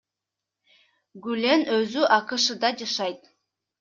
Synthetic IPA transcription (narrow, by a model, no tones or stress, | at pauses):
ɡylenøzyʔɑqɯʃɯd̪ɑd͡ʒɑʃɑjt̪